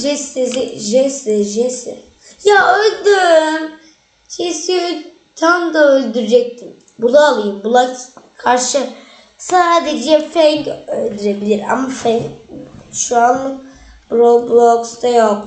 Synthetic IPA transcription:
ʒɛseziʒɛsɛʒɛsɛ̰ | jaølʲd̪yɾm | ʃʰesi | t̪ʰamd̪aølʲd̪yɾyd͡ʒɛc̚t̪ʰim | bulˠaalˠɯjɯmbulˠakkʰaɾʃɯ | saːd̪ɛd͡ʒɛfɛkølʲd̪yɾebilʲiɾa̰mːafɛ | ʃuanɯ | b̥ɾoblˠokst̪ajok

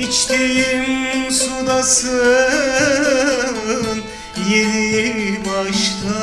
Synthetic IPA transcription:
it͡ʃt̪ejimsud̪ɑsɯ | n | jenibɑʃkɑ

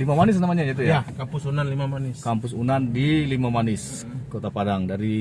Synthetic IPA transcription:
limamanɪs̬namaɲaɲait̪ujakampʊsunanlimamanɪskampʊs̬unandilimamanɪs | kot̪apadaŋdaɾi

